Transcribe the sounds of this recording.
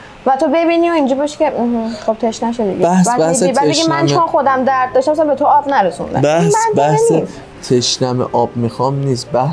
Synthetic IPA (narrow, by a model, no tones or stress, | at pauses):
væt̪ʰobe̞biːnioind͡ʒɔbɒʃi̥cʰehχob̚t̪ʰeʃnæʃed̪ḭɡæhsæsibæbeɡimænt͡ʃɒːxod̪æmd̪æɾd̪̚ːɒːʃt̪æmpːsæmbet̪ʰoɒːbnæɾesṵnd̪æ̰bææbæhse | t̪ʰeʃnæmeʔɒːb̥mixɒmniːsbæh